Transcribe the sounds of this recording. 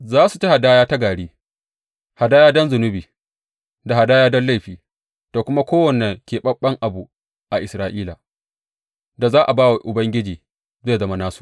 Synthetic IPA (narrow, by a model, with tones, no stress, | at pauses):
zaː˦su˨t͡ʃe˦ha˨daː˦jaː˦ta˦ɡaː˨ɽiː˦ | ha˨daː˦jaː˦dɔ˦nzʊ˨nʊ˦biː˨ | da˨ha˨daː˦jaː˦dɔ˦nla˦jɸiː˨ | toː˨kʷʊ˦ma˦kʷoː˦wɐ˨nːɛ˨ŋkʲeː˨ɓɐ˦ɓːɐ˦ŋʔa˨bu˨ | ʔa˨ʔɪ˨sɾaː˦ʔiː˦la˨ | da˨zaː˦ʔa˨baː˦wa˨ʔʊ˨bɐ˦ŋɡʲɪ˦d͡ʒiː˨ | ze˦˨zɐ˦ma˦naː˦su̥˨